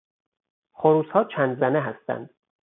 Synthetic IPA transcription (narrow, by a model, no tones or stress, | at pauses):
χoɾuːshɒːt͡ʃʰænd̪zæneɦæst̪æ̰nd̪̥